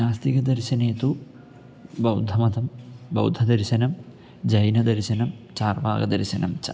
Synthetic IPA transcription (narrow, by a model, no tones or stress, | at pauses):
aːst̪iɡɐd̪ɐɾɕɐneːt̪u | bɐwd̪ʱɐmɐt̪ɐmbɐ̰wd̪ʱɐd̪ɐɾɕɐnɐm | d͡ʑɐjnɐd̪ɐɾɕɐnɐmt͡ɕaːrʋa̰ːɡɐd̪ɐɾɕɐnɐmt͡ɕɐ̰